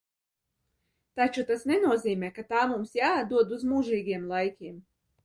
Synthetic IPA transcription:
t̪at͡ʃut̪asnɛnuɔziːmɛːkat̪aːmumsjaːauɔd̪uzmuʒiːɡiɛmlˠajkʲiɛm

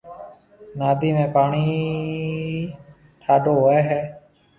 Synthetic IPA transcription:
naːd̪iːmẽːpaːɳiː | ʈʰaːɖoːɦeːɦɛː

